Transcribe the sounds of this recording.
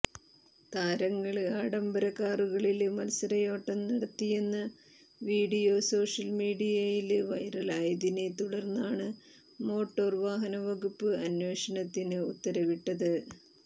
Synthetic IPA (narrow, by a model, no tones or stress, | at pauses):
t̪aːɾɐŋːɐɭaːɽɐmbɐɾɐkːaːruɣɐɭilmɐlɐsɐɾɐjo̞ːʈːɐmnɐɽɐt̪ːijenːɐ | ʋiːɽijo̞so̞ːʂɐlmiːɽijɐjilʋɐjɾɐlaːjɐðinet̪uɽɐrnːaːɳɨ | mo̞ːʈːo̞ːrʋaːɦɐnɐʋɐɣupːɨɐnwe̞ːʂɐnɐt̪ːinɨut̪ːɐɾɐʋiʈːɐðɨ